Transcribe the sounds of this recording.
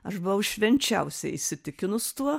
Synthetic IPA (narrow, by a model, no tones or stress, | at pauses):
ɐʃbʊʋɐʊʃʲʋʲɛnʲt͡ʃʲɛʊsʲɛɪisʲɪt̪ʲɪkʲɪnʊst̪uɔ